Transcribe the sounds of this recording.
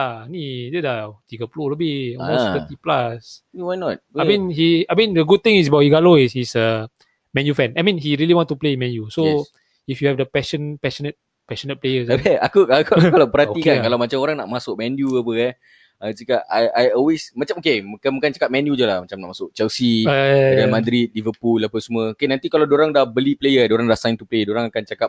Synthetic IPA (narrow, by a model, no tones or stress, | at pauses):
anidɛdat̪iɡəploləbiɔmost̪ət̪iplaswajnɔt̚amĩnhiajmĩndəɡud̚t̪ĩŋis̬bawʔiɡaloishisə | mɛ̃njufɛ̃najmĩnɦiɹiəliwɔ̃nstuplemɛ̃njuso | ifjuhɛvdəpɛʃə̃npɛʃɔnət̚ | pɛʃonət̚plejəsaakuʔakukalapəɾhaikankalawmat͡ʃamoɾaŋnaʔmasʊk̚mɛnjuapəɛ | asikaʔajajɔlwesmat͡ʃamokemakamakant͡ʃḁkap̚mɛ̃njud͡ʒolahmat͡ʃamna̰ʔmasʊk̚t͡ʃɛlsidamad̪ɾit̪̚livəpulːapəsmuəokenãnt̪ikalawdoɾaŋdahbəliplejədoɾaŋdahsãjnt̪upledoɾaŋakant͡ʃakap̚